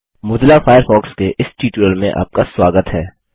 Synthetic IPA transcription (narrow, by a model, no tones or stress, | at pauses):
mʊd̪lafaːjəɾfɔːkskeʔɪsʈiːʈuɾəlmẽʔa̰ːp̚kaswaːɡət̪ɦɛː